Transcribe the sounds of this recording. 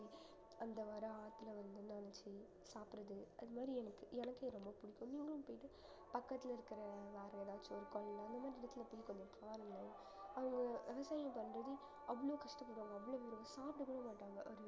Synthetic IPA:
i | ɐnd̪ɐʋɐɾɐaːt̪ːɪlɐʋɐnd̪ɯnɐnɐt͡ʃːi | saːpɪɾɐðɯʔɐðɯmaːd̪ɾiɛnɐkːɯɛnɐkːeɾɔmbɐpʊɽɪkːʊ̃mniːŋɡɐɭɯ̃mpoːjɪʈːɯ | pɐkːɐt̪ːɪlɪɾɯkːɪɾɐʋaːɾɐɐðaːt͡ʃːɔɾɯkoːɭnãɐnd̪ɐmaːd̪ɾɪɽɐt̪ːɪlɐpʊjɪkːɐmɐpːaːɪɾɯnd̪aːɐ | ɐʋɐŋɡɐʋɛʋɐsaːjɐ̃mpɐnːɾɐðɯ | ʔɐʋːɐɭoːkɐʂʈɐpːɐɽʋaːŋɡɐʋːɐɭoːʋɐɾɯɡɐsaːpʈɯkːuːɽɐːmaːʈːaːŋɡɐʔɔɾɯ

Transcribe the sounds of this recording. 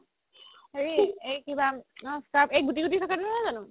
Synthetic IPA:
eɹiejkibãsapʰejɡutiɡutisʰɔkatnaazanʊ̃

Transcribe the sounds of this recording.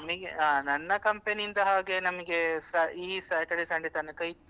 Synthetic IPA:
ɐmɐɡeaːnɐnːɐkɐmpenijind̪ɐɦaːɡenɐmɐɡe̞saiːsaːʈeɽisɐːɳɖit̪ɐnɐkɐjit̪ːu

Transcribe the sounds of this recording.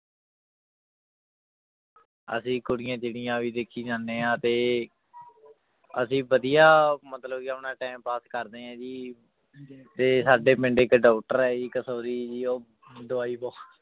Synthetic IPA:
ə̰sĩːkʊɽɪjãːt͡ʃɪɽɪjãːʋiːd̪eːkʰːiːd͡ʒãːnːẽːãːt̪eː | əsĩːbəd̪ijaːmət̪ləbkɪəpnãːʈɛːmpaːskəɾd̪eːãːd͡ʒiː | t̪eːsaːɖeːpɪɳɖeːkɖɔːkʈəɾɛːd͡ʒiːkəsoːɾiːd͡ʒiːoː | d̪ʊaːiːbɔː

